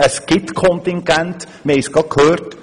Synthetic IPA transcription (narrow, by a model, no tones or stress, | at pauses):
əskɪt̪kʰɔnt̪ɪŋɡɛnt̪ | mejskɔkʰøːɾt̪